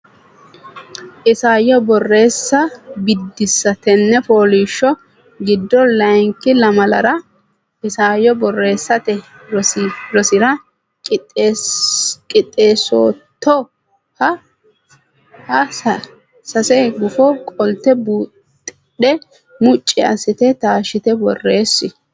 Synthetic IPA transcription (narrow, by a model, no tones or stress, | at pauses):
ʔɪsaːjɔbɔrːe̞ːsːɐbɪd̪ːɪsːɐt̪ɛnːɛfo̞ːliːʃːɔ | ɡɪd̪ːɔlɐjŋkːɪlɐmɐlɐɾɐ | ʔɪsaːjɔbɔrːe̞ːsːɐt̪ɛ | ɾɔsɾɔsɪɾɐ | kʼɪ | kʼɪt̪ʼːeːso̰ːt̪ːɔ | hɐ | hɐ | sɐsɛɡʊfɔkʼɔlt̪ːɛbuːt̪ʼːɪɗɛ | mʊt͡ʃʼːɪɐsɪt̪ɛt̪aːʃɪt̪ɛbɔrːe̞ːsːɪ